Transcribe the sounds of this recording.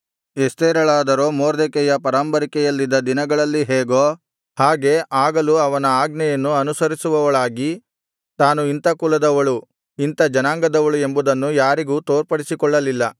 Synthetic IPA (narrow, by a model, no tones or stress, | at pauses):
est̪ɛːɾɐɭaːd̪ɐɾo̞ːmoːɾd̪ɛkɛjɐpɐɾaːmbɐɾikɛjɐlːid̪ːɐd̪inɐɡɐɭɐlːiɦeːɡoː | haːɡe̞ːʔaːɡɐluɐʋɐnɐaːɡnɛjɐnːuɐnusɐɾisuʋɐʋɐɭaːɡi | t̪aːnuint̪ɐkulɐd̪ɐʋɐɭu | int̪ɐd͡ʒɐnaːŋɡɐd̪ɐʋɐɭue̞mbud̪ɐnːujaːɾiɡuːt̪oːɾpɐɽisikɔɭːɐlilːɐ